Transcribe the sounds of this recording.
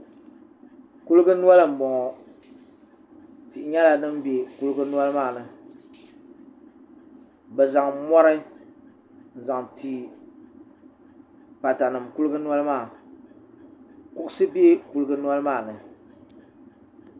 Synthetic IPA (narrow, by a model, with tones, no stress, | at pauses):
ku˦lɨ˦ɡɨ˦nu˦ɔ˦lɨ˨m̩˨bɔ˨ŋɔ˨ | ti˨ʔɲɛ˦la˨nɨ˦m˦be˨ku˦lɨ˦ɡɨ˦nu˦ɔ˦lɨ˦maː˦˨nɨ˨ | bɛ˨za˨ŋmɔ˦ɾɨ˦ | n̩˨za˨ŋti˨ | pa˨ta˨nɨ˨mku˦lɨ˦ɡɨ˦nu˦a˦lɨ˦maː˦˨ | kʊ˦ʔsɨ˦bi˦e˦ku˦lɨ˦ɡɨ˦nu˦a˦lɨ˦maː˦˨nɨ˨